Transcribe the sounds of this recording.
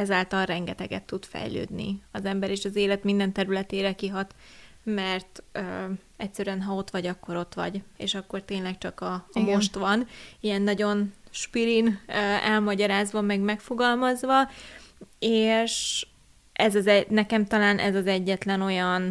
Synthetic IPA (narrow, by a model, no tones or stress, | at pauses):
ɛzaːlt̪ɒlrɛŋɡɛt̪ɛ̰ɡɛ̰t̪ːut̪fɛ̰jlø̰ːd̪nḭɒzɛmbɛɾeːʃɒzeːlɛt̪mind̪ɛnt̪ɛɾylɛt̪eːɾɛkiɦɒt̪ | mɛrt̪ø | ɛcsːɛɾyɛnɦɒo̞t̪ʋɒɟɒkːo̞ɾo̞t̪ʋɒ̰ɟḛːʃɒkːo̞rt̪eːnlɛk̚t͡ʃɒkɒmoʃt̪ʋɒnijɛnːɒɟo̞nʃpiɾinøɛlmɒɟɒɾaːzʋɒmɛɡmɛkfo̞ɡɒlmɒzʋɒ | eːʃ | ʔɛzɒzɛnɛkɛmt̪ɒlaːnʔɛ̰zɒzɛɟːɛt̪lɛno̞jɒn